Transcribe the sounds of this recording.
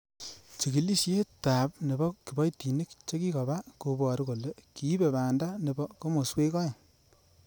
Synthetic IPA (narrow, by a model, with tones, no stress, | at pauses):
t͡ʃi˨ki˨li˦ʃe˦ta˨p̚ne˨bɔ˦ki˨bɔ˦jti˨ni˦kt͡ʃe˦ki˦kɔ˨ba˦ko˧bɔ˨ɾi˦ko˨le˦ki˨˦be˨βaː˨nda˦ne˨bɔ˦ko˦mo˨swe˦kɔ˦je˨ŋ